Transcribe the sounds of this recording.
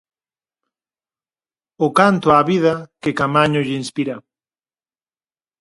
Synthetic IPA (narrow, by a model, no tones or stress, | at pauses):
ʊkant̪oaβiðakekamaɲʊʎeinspiɾa